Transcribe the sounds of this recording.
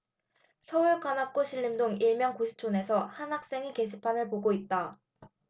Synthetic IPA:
sʰʌuɭkwanak͈oɕʰiʎːimdoŋiɭmjʌŋkoɕʰi̥t͡ɕʰone̞sʰʌhanɦak̚s͈e̞ŋike̞ɕʰipʰanɯɭpoɡoit̚t͈a

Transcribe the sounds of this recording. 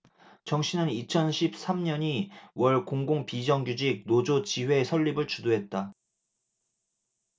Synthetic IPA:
t͡ɕʌŋɕʰinɯnit͡ɕʰʌnɕʰip̚s͈amɲʌɲiwʌɭkoŋɡoŋpid͡ʑʌŋɡud͡ʑik̚nod͡ʑot͡ɕiwe̞sʰʌʎːibɯɭt͡ɕudoɦe̞t̚t͈a

